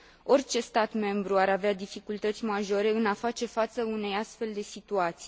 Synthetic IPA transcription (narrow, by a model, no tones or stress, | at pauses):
o̞rʲt͡ʃe̞st̪at̪me̞mbɾuaɾavead̪ifikult̪ət̪sʲmaʒo̞ɾe̞ɨnafat͡ʃe̞fat̪səune̞jast̪fe̞ld̪e̞sit̪uat̪si̥